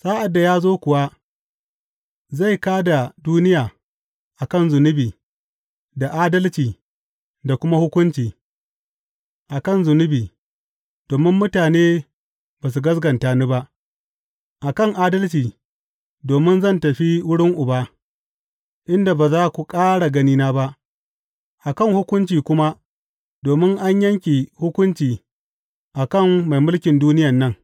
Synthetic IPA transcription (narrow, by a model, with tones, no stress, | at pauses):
saː˦ʔa˨dːa˨jaː˦zoː˦kʷʊ˨wa˦ | za˦˨jkaː˦da˨duː˦nɪ˦jaː˨ | ʔa˨kɐ˦nzʊ˨nʊ˦biː˨ | da˨ʔaː˦dɐ˦lt͡ʃiː˨ | da˨kʷʊ˦ma˦hʊ˦kʷʊ˦nt͡ʃiː˨ | ʔa˨kɐ˦˨nzʊ˨nʊ˦biː˨ | d̥oː˨mɪ˦mːʊ˦taː˨neː˦ | baː˨s̬u˨ɡɐ˦sɡɐ˨ntaː˨ni˦ba˦ʔ | ʔa˨kɐ˦ŋʔaː˦dɐ˦lt͡ʃiː˨ | doː˨mɪ˦nzɐ˦˨ntɐ˨ɸi˦wʊ˦ɽɪ˦ŋʔʊ˨baː˦ | ʔɪ˦nda˨ba˨zaː˦kʷu˨kʼaː˦ɽa˨ɡɐ˦niː˦naː˦ba˦ʔ | ʔa˨kɐ˦˨ŋhʊ˦kʷʊ˦nt͡ʃiː˨kʷʊ˦ma˦ | doː˨mɪ˦ŋʔa˦ɲjɐ˦ŋkʲi˨hʊ˦kʷʊ˦nt͡ʃiː˨ | ʔa˨kɐ˦˨ŋːa˨jmʊ˦lkʲɪ˨nduː˦nɪ˦jɐ˨nːɐ˦ŋ